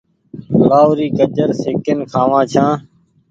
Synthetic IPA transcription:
laːʊɾiːkəd͡ʒəɾseːkənkʰãːʋãːt͡ʃʰãː

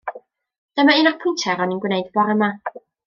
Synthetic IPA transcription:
d̥əmaɪnapʰʊjntʰɛɾɔninɡwnejdbɔɾəma

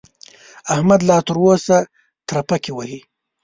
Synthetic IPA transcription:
ahmad̪lɑt̪əɾwosa | t̪ɾapakiwahi

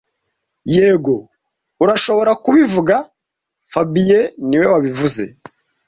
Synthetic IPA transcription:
jeːɡo̞ | uɾaʃo̞βo̞ɾakuβivuɡa | fabijeniwe̞waβivuze̞̰

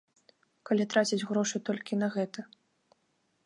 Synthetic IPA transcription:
kalʲit̪ɾat͡sʲid͡zʲɣɾɔʂɨt̪ɔlʲkʲinɐɣɛt̪ɐ

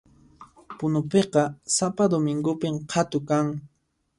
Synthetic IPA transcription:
pʊnʊpeqɑsapad̪ʊmɪŋɡʊpɪmqʰɑt̪ʊkaŋ

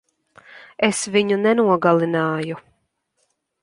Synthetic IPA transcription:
esviɲunɛnuɔɡalˠinaːju

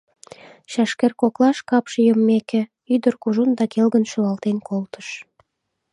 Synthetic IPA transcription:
ɕɑʃkerkoklɑʃkɑpʃejəmːekĕ | yd̪ərkuʒund̪ɑkelɣənʃuɑlt̪enkolt̪ə̥ʃ

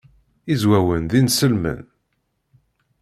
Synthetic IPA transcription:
izwæwənðinsəlmə̰n

